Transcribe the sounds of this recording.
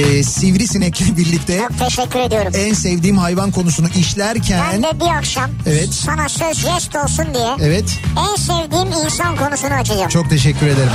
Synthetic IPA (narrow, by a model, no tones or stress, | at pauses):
sivɾisinɛclʲɛbiɾlʲict̪ʰɛok̚t̪ʰeʃɛcʲʰːyɾe̞d̪ijo̞ɾumænsɛvd̪iːmɦajvankʰo̞nusunuʔiʃlʲæɾcʰænd̪ɛbiɾakʃamevɛt̪sanaʃlaʃɾɛʃt̪o̞lˠsund̪ijɛevɛt̪ænsevd̪iːminsankʰo̞nusunɯat͡ʃʰɯlˠjamt͡ʃʰo̞k̚t̪ʰe̞ʃɛcʰːyɾe̞d̪e̞ɾim